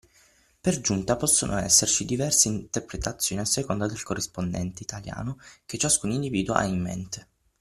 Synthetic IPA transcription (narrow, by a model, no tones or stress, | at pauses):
perd͡ʒunt̪apɔsːonʔo̰ɛsːert͡ʃid̪ivɛrseint̪erpɾet̪at̪sːjoːniasːekond̪ad̪elkorːispond̪ɛ̰nt̪eit̪ʰalja̰ːnok̟et͡ʃːaskuːnind̪iviːd̪w̰ʔa̰imːḛnt̪e̥